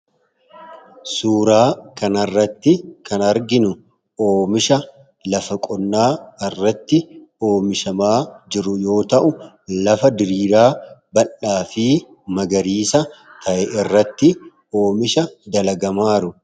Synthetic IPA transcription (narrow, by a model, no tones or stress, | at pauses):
suːɾaːkɐnɐrːɐt̪ːɪkɐnɐɾɡɪnʊ | oːmɪʃɐ | lɐfɐkʼɔnːaːɪrːɐt̪ːɪo̞ːmɪʃɐmaːd͡ʒɪɾʊjo̞ːt̪ɐʔʊ | lɐfɐd̪ɪɾiːɾaːbɐlːaːfiː | mɐɡɐɾiːsɐ | t̪ʰɐʔɛʔɪrːɐt̪ːɪ | o̞ːmɪʃɐd̪ɐlɐɡɐmaːɾʊ